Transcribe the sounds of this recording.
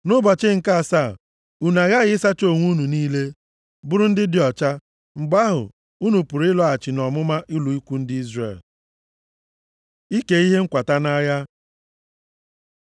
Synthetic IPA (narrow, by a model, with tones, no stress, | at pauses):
nʊ˦bɔ˨t͡ʃɪ˦ŋ̩˨ka˦a˨sa˦˨ | u˨na˨ɣa˦ɣɪ˦sa˦t͡ʃo˦˨ŋʷu˦nu˨niː˦le˦ | bʊ˦ɾʊ˦n̩˦dɪ˦dɪ˦ɔ˨t͡ʃa˦ | ŋ͡m̩˨ɡ͡ba˦ɦʊ̰˨ | u˦nu˨pu˨ɾɪ˦lɔ˨a˨t͡ʃɪ˨nɔ˨mʊ˦ma˦ʔi˦lu˨i˦kʷu˦n̩˦dɪ˦i˦zrḛ˨l | i˦ke˨i˦ɦe˦ŋ̩˦kʷa˨ta˦na˦ja˦